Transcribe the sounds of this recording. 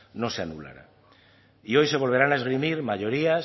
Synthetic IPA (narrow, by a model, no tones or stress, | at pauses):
no̞seanula̰ɾa̰ | io̞jse̞β̞o̞lβ̞e̞ɾanaezɣ̞ɾimiɾmaʝo̞ɾias